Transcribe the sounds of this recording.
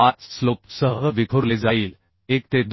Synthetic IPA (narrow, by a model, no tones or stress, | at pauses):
ãt͡sslopsəɦəʋikʰoɾled͡zaiːl | ek̚t̪ed̪